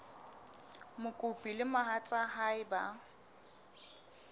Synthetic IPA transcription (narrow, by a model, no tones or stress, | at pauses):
mʊkʼʊpʼilɪmaɦat͡sʼaɦaɪba